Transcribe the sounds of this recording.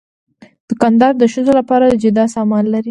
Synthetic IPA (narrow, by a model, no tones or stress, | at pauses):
d̪̥əkand̪ɑɾd̪əʃəzolapɑɾad̪əd͡ʒɪd̪ɑsɑmɑnlaɾi